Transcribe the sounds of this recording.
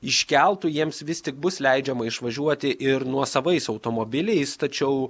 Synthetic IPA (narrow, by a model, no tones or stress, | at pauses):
ɪʃʲkʲɛlˠt̪ujiɛmsʋʲɪst̪ʲɪk̚bʊslʲɛɪd͡ʒʲɛmɐɪʃʋɐʒʲuɔt̪ʲɪʔɪɾnuɔsɐʋɐɪsɐʊt̪oːmoːbʲɪlʲɛɪst̪ɐt͡ʃʲɛʊ